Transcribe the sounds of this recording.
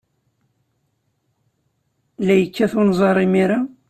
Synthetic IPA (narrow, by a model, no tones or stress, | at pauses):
læjəkːæθunzˤɑɾˤimiɾa